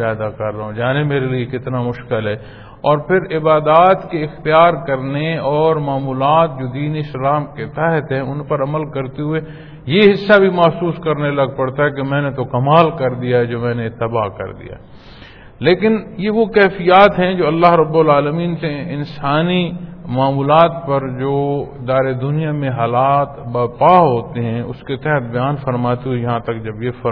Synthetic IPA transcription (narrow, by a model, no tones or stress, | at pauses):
aːd̪akɐɾːɐɦõd͡ʒaːnemeːɾeliekɪt̪namʊʃkɪlɦɛː | ɔːɾpʰɪɾɪbaːd̪aːt̪keɪxt̪ijaːɾkɐɾneɔːɾmaːmuːlaːt̪̚d͡ʒoːd̪iːneɪslaːmket̪aːɦɪt̪ɦɛ̃ʊnpɐɾɐməlkɐɾt̪eɦʊe | jeɦɪsːabʱimɐɦsuːskɐɾneɐlɐɡ̚pɐɽt̪aɦɛk̬emɛ̃ːnet̪okɐmaːlkɐɾd̪ijaɦɛd͡ʒoːmɛ̃ːnet̪ːɐbaːkɐ̰ɾd̪ḭja̰ː | leːkɪnjeʋokɛːfijaːt̪ɦɛ̃d͡ʒoːɐlːaːɦɾɐbːʊlaːləmiːnseɪnsaːnimaːmuːlaːt̪pɐɾd͡ʒoːɪd̪aːɾed̪ʊnijamẽɦaːlaːt̪bɐpaːɦoːt̪eɦɛ̃ʊ̰sket̪ɛɦɛt̪̚ʰbɐjaːnfɐɾmaːt̪eɦuejɐɦãt̪ɐkd͡ʒɐbjefɐ